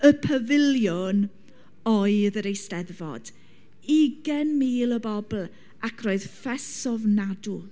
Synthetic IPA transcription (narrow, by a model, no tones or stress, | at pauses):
əpʰəvɪljɔn | ɔɨðəɾejstɛðvɔ̰d̥ | iɡɛnmiːlˠəbɔbl̩ˠ | akʰroːɨð̥fɛsɔvnadu